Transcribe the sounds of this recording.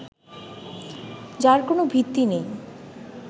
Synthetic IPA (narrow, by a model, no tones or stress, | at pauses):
d͡ʑaɾkonobʱit̪ːinej